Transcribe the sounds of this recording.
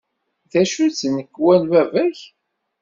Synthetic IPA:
ðæʃut͡sːnəkːwænwævæç

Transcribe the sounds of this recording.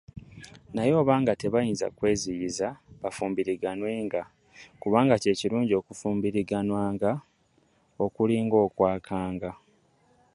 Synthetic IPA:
najo̞ːβaːŋɡate̞βajiːnza̰kwe̞ːzijizaβafuːmbiɾiɡanwe̞ːŋɡa | kuβaːŋɡace̞ːciɾuːɲɟio̞ːkufuːmbiɾiɡanwaːŋɡa | o̞kuliːŋɡo̞ːkwaːkʰaːŋɡa

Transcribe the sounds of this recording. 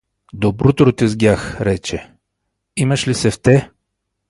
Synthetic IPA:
d̪obɾʊt̪ɾot̪izɡʲjaxɾɛt͡ʃɛ | imɐʃlisɛft̪ɛ

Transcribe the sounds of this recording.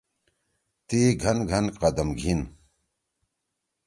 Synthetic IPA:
t̪iːɡʱɐnɡʱɐnqɐd̪ɐmɡʱin

